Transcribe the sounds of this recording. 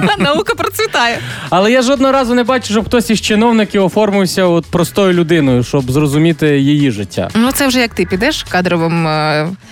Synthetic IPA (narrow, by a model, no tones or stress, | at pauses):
nɐukɐpɾɔt̪sʲʋʲit̪ɑjɛɐlˠɛjaʒɔd̪nɔɦɔɾɑzʊnɛbɑt͡ʃʊʃɔbxt̪ɔsʲiʃt͡ʃɪnɔwnɪkɪɔfɔrmʊwsʲɐɔt̪̚pɾɔst̪ɔjʊlʲʊd̪ɪnɔjʊʃt͡ʃɔbzrɔzʊmʲit̪ɪjijiʒɪtʲːa̰nut̪sɛwʒɛjɐk̚t̪ɪpʲid̪ɛʃkɑd̪ɾɔʋɪm